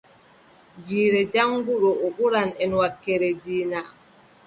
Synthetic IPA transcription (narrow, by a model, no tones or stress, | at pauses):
d͡ʒiːɾɛd͡ʒaŋɡuɗɔʔɔɓuɾanɛnwakːɛɾɛd͡ʒiːna